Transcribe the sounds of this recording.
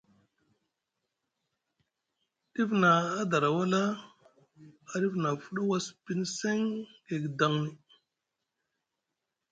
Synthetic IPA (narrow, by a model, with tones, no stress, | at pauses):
ɗi˦vnaː˨˦da˨ɾa˨wa˦la˦ | a˨ɾi˦vna˨fu˦ɗa˦wa˦spi˦nse˦ŋɡe˨ɡi˨da˨ŋni˨